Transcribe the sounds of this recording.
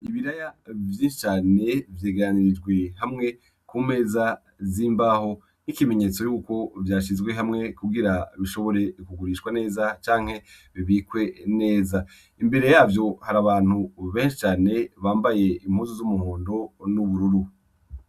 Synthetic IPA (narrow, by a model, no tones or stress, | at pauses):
iβiɾajavjiːnʃi̥t͡ʃaːne̞vjeːɡeɾaniɾid͡ʒɡwe̞ɦamŋe̞ | kuːme̞ːza | ziːmbaːho̞ | nikime̞ɲe̞t͡so̞juːko̞vjaːʃizɡwe̞ɦamŋe̞kuɡiɾaβiʃo̞βo̞ɾe̞kuɡuɾiːʃwane̞ːzat͡ʃaːŋhe̞ | βiβiːkwe̞ne̞ːza | imbe̞ɾe̞jaːvjo̞haɾaβaːn̥huβe̞ːnʃi̥t͡ʃaːne̞βaːmbaje̞imhuːzuzumuhoːndo̞nuβuɾuɾu